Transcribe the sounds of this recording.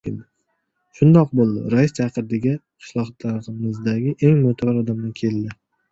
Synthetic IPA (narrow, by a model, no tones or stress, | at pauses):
ed̪ɪ | ʃʊnd̪ɒq̚bolˠd̪ɪ̰ɾaɪst͡ʃʰɑqɨɾd̪ɪɡʲaqʰɨ̥ʃlˠɒχɑt̪ʰlaɾɪmɪzd̪aɡʲɪʔe̞ŋmʊt̪ʰabɾɒd̪amnakʲʰe̞ld̪ɪ